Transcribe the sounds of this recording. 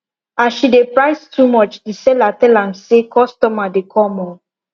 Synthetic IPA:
aʃidepɹaɪstʰumɔt͡ʃdisɛlatɛlãmsekʰɔstɔmadekʰɔmɔ

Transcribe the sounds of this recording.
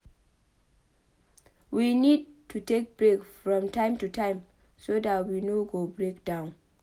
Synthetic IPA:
winid̚tʰːutek̚bɹekfɹɔ̃mtãɪmtutaɪm | sodatwinoɡobɹekd̥ãʊ̃n

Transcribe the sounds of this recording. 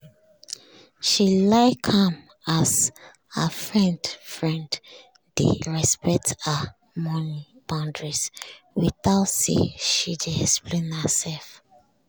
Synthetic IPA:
ʃilaɪkʰhãm | az | hə̰fɹɛ̃ndfɹɛ̃nd | d̥ḛɹɛspɛk̚tə | mɔ̃nib̥ãʊ̃ndɹis | wiθaʊtsḛʃid͡ʒɛspʰlẽnhəsɛlf

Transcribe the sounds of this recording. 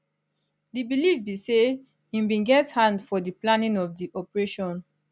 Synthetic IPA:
dibilifbise | ĩmbĩɡɛthãndfɔdiplãnĩŋɔvdiʔɔpəɹeʃɔ̃n

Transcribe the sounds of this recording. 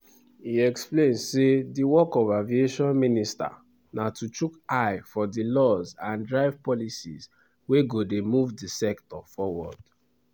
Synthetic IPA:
iɛksplẽnsediwɔkɔvavieʃɔ̃nminista̰ | natut͡ʃukaɪfɔdilɔzãndɹaɪvpɔlisḭz | weɡodemuvdisɛktɔfɔwɔ̰d̥

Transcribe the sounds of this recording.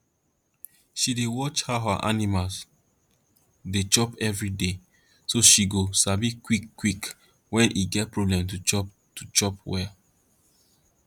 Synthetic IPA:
ʃidewɔt͡ʃhaɦa̰ʔa̰nimals | det͡ʃɔpɛvɹide | soʃiɡosabikwikːwik | wɛ̃nʔiɡɛt̚pɹɔblɛ̃mtut͡ʃɔp | tut͡ʃɔpwɛ

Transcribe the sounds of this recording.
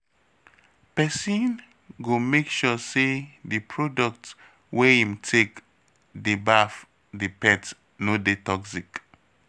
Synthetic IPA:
pɛsĩn | ɡomekʃusedəpʰɹɔdɔk̚t | wɛĩmtʰek | dibaf | dipɛt | nodetɔksik

